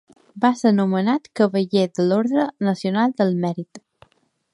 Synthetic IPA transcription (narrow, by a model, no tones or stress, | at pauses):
basənumənat̪kəβəʎedəloɾðɾənəsiunalˠd̪əlˠmɛɾit̪